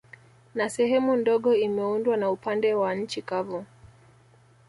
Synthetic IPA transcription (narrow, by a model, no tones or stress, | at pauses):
nasɛɦɛmundɔɠɔimɛundwanaupandɛwaɲ̩t͡ʃikavu